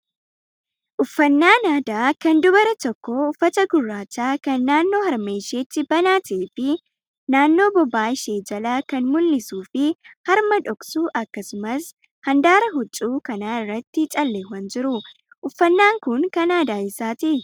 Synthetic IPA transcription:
ʔʊfːɐnːaːnaːd̪aːkɐnd̪ʊbɐɾɐt̪ɔkːoʊfːɐt̪ɐɡʊrːaːt͡ʃːaːkɐnːaːnːo̞ːhɐɾmeːʃeːt͡ʃ̪ːɪbɐnaːt̪ɐeːfɪ | naːnːo̞ːbɔbːaːɪʃeːd͡ʒɐlɐkɐnmʊlːɪsuːfɪhɐɾmɐᶑɔksuːʔɐkːɐsʊmɐs | hɐnd̪aːɾɐɦʊt͡ʃʼːuːkɐnaːɪrːɐt̪ːɪt͡ʃʼɐlːeːwɐnd͡ʒɪɾʊ | ʔʊfːɐnːaːŋkʊŋkɐnaːd̪aːɪsaːt̪ɪʔ

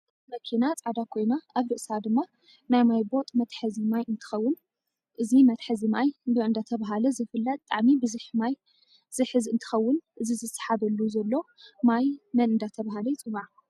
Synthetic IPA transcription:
ʔɨt̪mɐkʰinat͡sʼad̪akʰo̞jnaaβɾɨʔsad̪ɨmːa | najmajbo̞t̪ʼmɐt̪ħɐzimajʔɨnt̪ʰɨ̥xɐwːʊn | ʔɨzimɐt̪ħɨzimajbɨɨnd̪at̪ʰɐβaɦalɐzɨfɨlːɐt̪̚t̪ʼaʕmibɨzɨħmaj | z̥ɨħɨzɨnt̪ʰɨ̥xɐwːʊnʔɨzizɨsḁħaβɐlːuzɐlːo̞majmɐnɨnd̪at̪ʰɐβaɦalɐjt͡sʼɨwaʕ

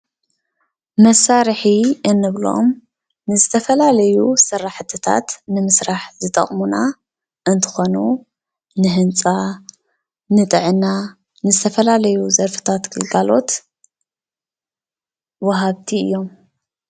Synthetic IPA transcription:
mɐsaɾħiɨnːɨβlo̞̰m | nɨzɨt̪ʰɐfɐlalɐjusɨrːaħt̪ʰɨt̪ʰa̰t̪nɨmɨsɾaħzɨt̪ʼɐ̰χʼmuna | ʔɨnt̪ʰɨ̥xo̞nu | nɨɦɨnt͡sʼa | nɨt̪ʼɨʕɨna | nɨzɨt̪ʰɐfɐlalɐjuzɐɾfɨ̥t̪ʰat̪ɡ̥ɨlɡalo̞̰t̪ | wɐɦaβt̪ʰiɨ̰jːo̞m

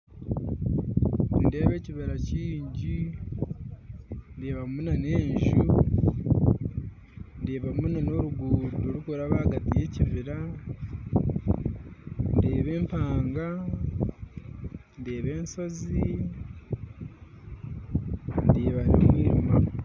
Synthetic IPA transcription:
nndeːβe̞ːciβeɾaciːɲɟi | ndeːβamunane̞ːɲʒu | ndeːβamunano̞ɾuɡuːtoɾukoɾaβaaɡatije̞civiɾa | ndeːβe̞ːmpaːŋɡa | ndeːβe̞ːnso̞zi | ndeːβanimwiːma

